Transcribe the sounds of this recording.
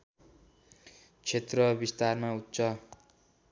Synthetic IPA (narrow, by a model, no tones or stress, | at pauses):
t͡sʰet̪rʌbist̪armaut̪ːt͡sʰʌ